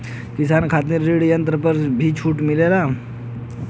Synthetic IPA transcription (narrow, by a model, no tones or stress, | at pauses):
kɪsaːnkʰaːt̪̬ẽɾeːɽjə̃nt̪ɾəpɐɾbʱit͡ʃʰuːʈmɪleːɾaː